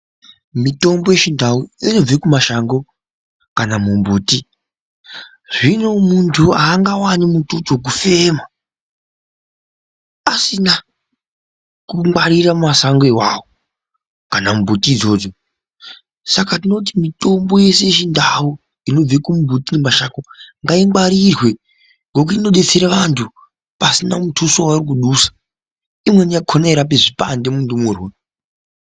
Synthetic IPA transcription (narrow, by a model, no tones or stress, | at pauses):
mito̞mbo̞je̞ʃindauino̞b͡vekumaʃaŋɡo̞ | kanamumbuːti | ʐino̞muntʰuaːŋɡawanimutut͡sok̬ufe̞ma | asina | kumwaɾirammasaŋɡwewawo | kanambʱutiːd͡zo̞ːd͡zo̞ | sakatino̞t̬imito̞mbo̞je̞se̞ʃindawu | ino̞b͡vekumubʱutinemaʃakoŋɡaiŋwaɾirwe̞ | ŋɡok̬uino̞ɗet͡seɾeʋantʰu | pasinamutʰusowarik̬uɗusḁ | imwe̞nijakʰonaiɾap̬eʐipa̰nde̞mundumuːrwe